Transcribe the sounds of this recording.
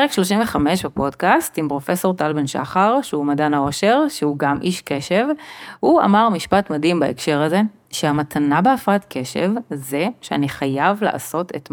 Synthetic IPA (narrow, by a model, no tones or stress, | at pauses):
eekʃlo̞ʃ̬imveχame̞ʃbapo̞dkastimpʁo̞fe̞so̞ʁtalbenʃa̰χaʁʃeumadanao̞ʃe̞ʁʃeuɡamʔiʃke̞ʃevhua̰maʁmiʃpatmadimbaekʃe̞ʁaze̞ | ʃeamatʰanabeafʁatkʰe̞ʃḛvze̞ʃea̰niχajavlḛʔa̰so̞tʰetm